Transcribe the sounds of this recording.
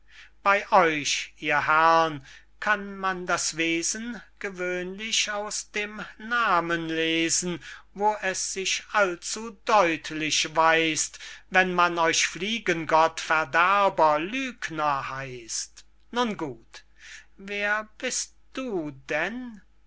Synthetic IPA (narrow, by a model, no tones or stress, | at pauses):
b̥aɪʔɔʏʃʔiːɐhɛʁn | kʰanmandasv̥eːzənɡ̥əvøːnlɪɕaʊsd̥eːmnaːmənleːzn̩voːʔɛsz̥ɪʃʔalt͡sudɔʏtʰlɪʃvaɪstvɛnmanɔʏʃfliːɡənɡɔtfɛɐdɛɐbɐlyːknɐhaɪst | nunɡuːt | veːɐbɪstd̥uːdɛn